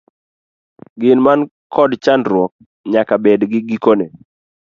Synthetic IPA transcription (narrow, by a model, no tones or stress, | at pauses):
ɡɪnman | kʰɔdt͡ʃandɾwɔk̚ | ɲakabedɡɪɡikone